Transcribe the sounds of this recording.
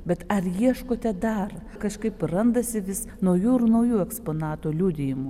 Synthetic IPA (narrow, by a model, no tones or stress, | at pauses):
bʲɛt̪ɐrjiɛʃkoːt̪ʲɛd̪ɐr | kɐʃkɐɪprɐnd̪ɐsʲɪʋʲɪs | nɐʊjuːɪrnɐʊjuːɛkspoːnɑːt̪uːlʲuːd̪ʲɪjɪmʊ